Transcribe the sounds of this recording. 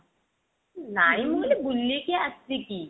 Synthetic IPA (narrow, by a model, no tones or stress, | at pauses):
najimolibulːekiasiki